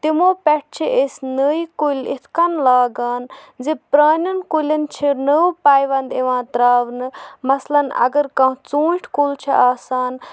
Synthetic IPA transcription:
t̪imoːpɛʈ̚ʰt͡ʃʰiʔesnəikulʲḭt̪ʰkɐnlaːɡaːnzipɾaːnʲɐnkulʲɐnt͡ʃʰinəpaːjʋɐnd̪iʋãːt̪ɾaːʋnɨmɐslɐnɐ̰ɡəɾkɐ̃ːt͡suːʈʰkult͡ʃʰiʔaːsaːn

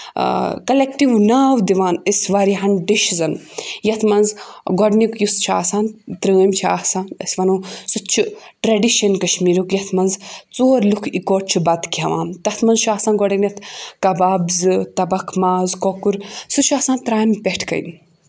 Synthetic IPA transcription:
kɐlekʈiʋnaːwd̪iʋaːnəsʋaːɾiɦɐnɖiʃzɐnjɐt̪ʰmɐnzɡɔɖnikjust͡ʃʰa̰ːsãːnt̪ɾəːmt͡ʃʰia̰ːsaːnɐ̰sʋɐnuːsutt͡ʃʰu | ʈɾɐɖiʃɐnkɐʃmiːɾukjɐt̪ʰmɐnzt͡soːɾlukʰikoːʈ̚t͡ʃʰubɐd̪kʲɐʋã̰ːmt̪ɐt̪ʰmɐnzʃʰaːsãːnɡɔɖɐnʲjɐt̪ʰkɐbaːbzɨt̪ɐbɐkʰmaːzkokuɾsut͡ʃʰaːsaːnt̪ɾaːmpʲeʈʰkɐ̰jn

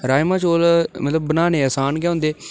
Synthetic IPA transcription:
ɾaːjmãːt͡ʃoːlmət̪ləbːənaːneːəsaːnɡɛːʊ̃nd̪eː

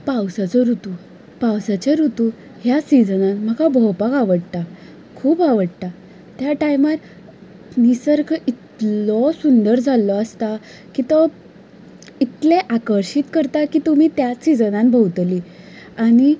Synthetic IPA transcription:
pawsat͡sɔɾut̪u | pawsat͡ɕaɾut̪u | ɦjasid͡zənanm̤əɡabʱɔwpakaʋəɽt̪a | kʰuːpaʋəɽt̪a | t̪jaʈajmat̪ | nisəɾkʰit̪lɔsund̪əɾd͡zʱalːɔəst̪a | kit̪ɔ | it̪leʔakəɾɕit̪kəɾt̪akit̪um̤iːt̪jasid͡zənãnbʱəwt̪li | añi

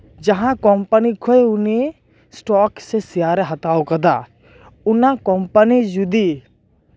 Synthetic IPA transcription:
d͡ʒɐɦãkɔmpənikʰojʊni | sʈɔːksesijaːɾeɦɐt̪aːokɐd̪a̰ | ʊnãkɔmpənid͡ʒud̪i

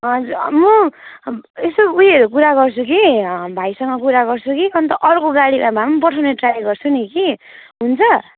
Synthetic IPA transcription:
ʌd͡zumʌ | esoujeɾuk̬uɾaɡʌrt͡sʰukibʱajsʌŋɡʌkuɾaɡʌrt͡sʰukiʌnt̪ʌʔʌrkoɡaɽibabamʌnp̬ʌʈʰawneʈraeɡʌrt͡sʰunikiɦunt͡sʰʌ

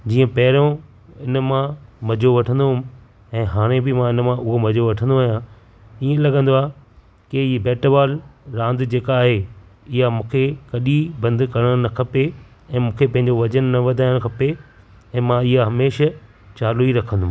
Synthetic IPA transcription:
d͡ʑiːə̃pɐɦɪɾõ | ɪnmãmɐd͡ʑoʋɐʈʰə̃nd̪oɦʊm | ɛ̃ːɦaːɽ̃ẽbɪmãɪnmãʊɦomɐd͡ʑoʋɐʈʰə̃nd̪oaːɦjã | iːẽlɐɡə̃nd̪oaːɦe | kɪbɛːʈəʋaːlɾãːnd̪d͡ʑeːkaːɦeɪɦamũːkʰekɐɗibɐ̃nd̪kɐɾəɽ̃nɐkʰɐpe | ɛ̃ːmũːkʰepɐ̃ɦɪ̃ɲd͡ʑoʋɐd͡ʑənːɐʋɐd̪ʱaːɪɽ̃kʰɐpe | ɛ̃ːmãɪɦaɦɐmeːʃə | t͡ɕaːluiɾɐkʰə̃nd̪ʊm

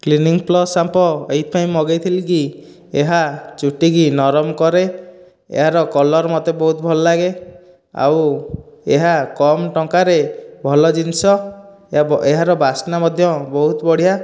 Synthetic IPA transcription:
kliniŋplɔsampɔejt̪paj̃ĩmɔɡejt̪ʰiliki | eɦat͡ʃuʈiɡinɔɾɔmkɔɾe | ḛɦaɾɔkɔlɔɾmɔt̪ebɔɦut̪ɔbʱɔlɔlaɡe | a̰w | eɦakɔmʈɔŋkaɾebʱɔlɔd͡ʒinsɔ | eɦaɾɔbasnamɔd̪ʱjɔbɔɦut̪ɔbɔɽ̤ija

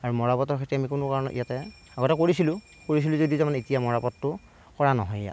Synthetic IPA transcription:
aɹumɔɹapɔtɔɹkʰetɹiamikʊnʊkaɹɔnɔʔijatɛ | aɡɔtɛkoɹisilʊ̃ | koɹis̬ilʊ̃zodizɛmanɛitijamɔɹapɔtːʊ | kɔɹanɔɦɔjja̰

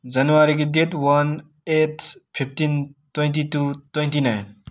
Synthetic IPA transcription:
d͡ʒɐnʋaɾik̬idetwɐn | etʰpʰipʰtintwẽntitut̪wẽntinajn

